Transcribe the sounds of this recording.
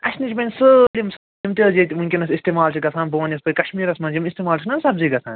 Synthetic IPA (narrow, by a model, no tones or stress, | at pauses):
ɐʃnit͡ʃipɐnʲsəlʲimsɐlimt̪ʲeːd͡ʒit̪ʲiunʲkʲinɐsist̪eːmaːlt͡ʃʰiɡɐsʰãːnboːnjɐspɐjʲkɐʃmiːɾɐsmɐnd͡ʒimist̪eːmaːlt͡ʃʰinɐnsɐb̚ziːɡɐsʰã̰ːn